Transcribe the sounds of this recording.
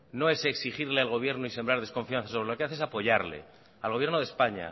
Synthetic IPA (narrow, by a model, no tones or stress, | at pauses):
no̞e̞se̞ksiχiɾlealɣo̞β̞je̞ɾnoise̞mbɾaɾðe̞sko̞ɱfian̟θasoβɾe̞lokeaθesapo̞ʝaɾle̞̰ | alɣoβje̞ɾnoðe̞spaɲa̰